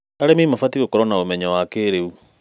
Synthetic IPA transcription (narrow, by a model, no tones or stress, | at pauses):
aɾemimafatiɣokɔɾɔnaomɛɲawakeɾeu